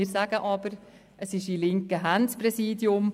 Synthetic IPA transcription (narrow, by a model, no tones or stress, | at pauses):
ɪɾsæɡəʔɑːbəɾ | ʔəsɪʃilɪŋkəɦænspɾɛsiːdjʊm